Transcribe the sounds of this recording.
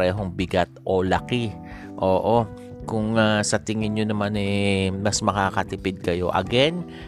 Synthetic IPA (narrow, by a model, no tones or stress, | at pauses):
ɛːɦo̞ŋbɪɡat̪̚ʔo̞lɐkɪ | ʔoːʔo̞ | kʊŋasɐt̪ɪŋɪnɲonɐmanɛmɐsmɐkakɐt̪ɪpɪd̪̚kɐjo̞ʔɐ̰ɡɛn